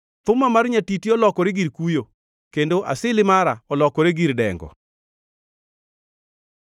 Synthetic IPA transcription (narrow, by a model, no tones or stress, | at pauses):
t̪ʊmamarɲatitiɔlɔkɔɾeɡiɾkujo | kendoʔa̰sɪlɪmaɾaɔlɔkɔɾeɡiɾdɛ̰ŋɡɔ̰